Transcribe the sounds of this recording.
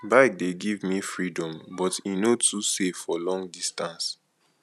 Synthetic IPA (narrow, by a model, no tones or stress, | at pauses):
baɪk̚deɡivmifɹidɔ̃mbɔtinotusefːɔlɔ̃ŋdistãns